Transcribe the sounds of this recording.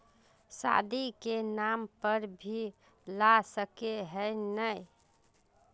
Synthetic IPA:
sa̰d̪ikenampəɾbʱi | lasəkeɦəjnəj

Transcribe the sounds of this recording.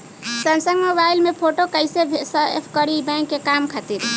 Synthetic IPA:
sənsəɡmobajlmepʰoʈokəjsebʱesəepʰkəɾibɛ̃ŋkːekamkʰat̪iɾ

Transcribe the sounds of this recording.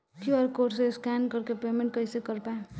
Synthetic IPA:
kjuɐɾkoːʈseskɛnkəɾkepeːmẽɳʈ̚kəisekəɾpaẽ

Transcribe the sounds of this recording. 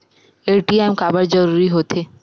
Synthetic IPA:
eʈiamkabaɾd͡ʑɔɾuɾiɦot̪ʰe

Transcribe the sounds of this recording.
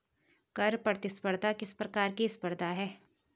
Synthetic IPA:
kɐɾpɾɐɾt̪ɪspəɾd̪ʱakɪspɾɐkaːɾkiɪspəɾd̪ʱaɦɛː

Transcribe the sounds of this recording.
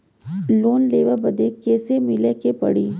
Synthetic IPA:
loːnleːʋəbɐd̪ekeːsemɪlekepɐ̰ɽiː

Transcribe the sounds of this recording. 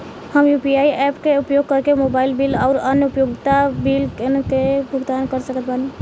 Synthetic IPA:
həmjupiaiɛpkeupjoɡ̚kəɾkemobailbilaʊɾənjəupjoɡt̪abilkebʱuɡd̪ankəɾsəkət̪bani

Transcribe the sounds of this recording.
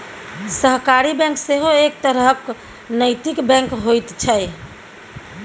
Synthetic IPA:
səɦkaɾibɛ̃ŋkseɦoek̚t̪əɾɦək | nəjt̪ikbɛ̃ŋkɦojt̪t͡ʃʰəj

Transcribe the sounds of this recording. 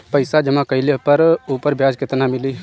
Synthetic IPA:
pəɪsad͡ʒəmãkəɪlepəɾuːpəɾbʱjad͡ʒket̪namili

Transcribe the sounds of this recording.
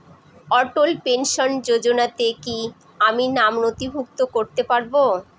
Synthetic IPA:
ɔʈolpenʃond͡ʑod͡ʑonat̪eki | aminamnot̪ibʱuk̚t̪okoɾt̪epaɾbo

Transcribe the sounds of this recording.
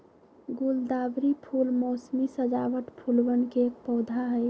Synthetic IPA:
ɡuld̪abɾipʰulmosmisəd͡ʒaʋəʈpʰulʋənkeek̚pɔʊd̪ʱaɦə

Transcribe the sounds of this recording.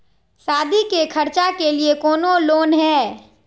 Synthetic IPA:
saːd̪ʱikekʰɐɾt͡ʃakeliekɔːnoloːnɦɛː

